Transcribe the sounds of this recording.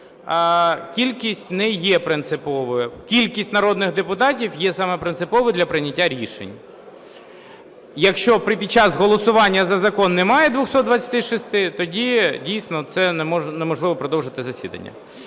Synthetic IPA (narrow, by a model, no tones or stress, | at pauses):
kʲilʲkʲisʲtʲnɛjɛpɾɪnt̪sɪpɔʋɔjɛkʲilʲkʲisʲtʲnɐɾɔd̪nɪɣd̪epʊt̪ɑtʲiwjɛsɑmɛpɾɪnt̪sɪpɔʋʊd̪lʲɐpɾɪnʲɐtʲːaɾʲiʃḛnʲ | jɐkʃt͡ʃɔpɾɪpʲid̚t͡ʃɑzɦɔlˠɔsʊʋɑnʲːɐzɐzɐkɔnːɛmɑjɛd̪ʋʊxsɔt̪d̪ʋɐt͡sʲɐ̥t̪ɪʃist̪ɪt̪ɔdʲidʲijsnɔt̪sɛnɔnɛmɔʒlˠɪʋɔpɾɔd̪ɔwʒɪt̪ɪzɐsʲid̪ɐ̰nʲːɐ̰